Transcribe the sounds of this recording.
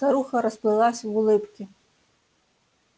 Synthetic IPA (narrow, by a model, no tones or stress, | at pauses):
t̪aɾuxɐɾɐsplˠɨlˠasʲɐwulˠɪpkʲi